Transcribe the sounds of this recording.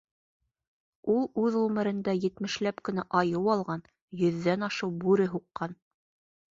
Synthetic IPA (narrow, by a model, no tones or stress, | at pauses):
ulˠʉðʁʉmɘ̆ɾɘ̆nd̪æjɘ̆t̪mɘ̆ʃlæpkɵ̆næʔɑjɤwɑlˠʁɑn | jɵ̆ðːænɑʃɤwbʉɾɘɦuqːɑn